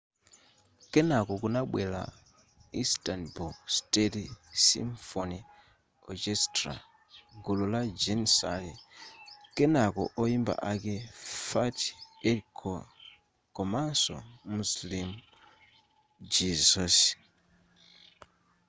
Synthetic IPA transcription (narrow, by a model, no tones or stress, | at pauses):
kɛnakɔkunaɓwɛla̰ | istanbustetisḭmfɔni | ɔkestra̰ | ɡululad͡ʒensali | kɛnakɔ̰ʔɔimba̰ʔakɛfatiekʰɔ | kɔmansɔ̰muslimu | d͡ʒizɔs